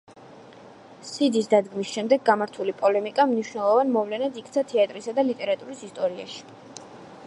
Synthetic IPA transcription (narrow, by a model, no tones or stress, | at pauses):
sid̪isd̪ad̪ɡmisʃɛmd̪ɛɡːamaɾt̪ʰulipʼɔlɛmikʼamniʃvnɛlˠɔvanmɔvlɛnad̪ikʰt̪sʰat̪ʰɛat̪ʼɾisad̪alit̪ʼɛɾat̪ʼuɾisist̪ʼɔɾia̰ʃi̥